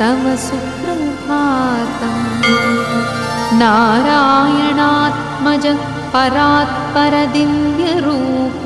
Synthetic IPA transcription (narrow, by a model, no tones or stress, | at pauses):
t̪ɐmɐsukɾɐmpʰaːt̪ɐm | naːɾɐaːjɐɳaːt̪̚ | mɐd͡ʒɐ | pɐɾaːt̪̚pɐɾɐd̪injɐɾuːp